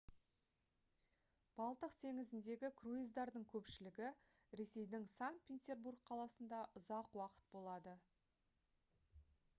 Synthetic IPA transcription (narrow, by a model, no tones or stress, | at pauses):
b̥ɑlˠt̪əqt̪ʰe̞ŋɪzɪnd̪e̞ɡʲɪkʰruijzd̪ɑɾd̪əɴkʲʰɵpʃɪlɪɡʲɪ | ɾe̞se̞jd̪ɪŋsaŋt̪̚pʲet̪ʲe̞rburk̚qʰɑlˠɑsənd̪ɑʔʊzɑqwɑqə̥t̪̚bo̞lˠɑd̪ə